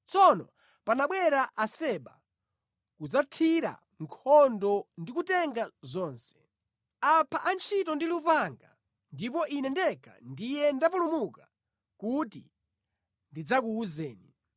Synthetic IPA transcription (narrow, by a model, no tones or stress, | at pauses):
t͡sɔnɔ | panaɓwɛɾaʔasɛɓa | kud͡zatʰiɾa̰ | ŋkʰɔndɔndikutɛŋɡazɔːnsɛ̥ | apʰaʔant͡ʃʰitɔndilupaŋɡa̰ | ndipɔʔinɛndɛka̰ndijɛndapulumuka | kutḭ | ndid͡zak̬uːzɛːni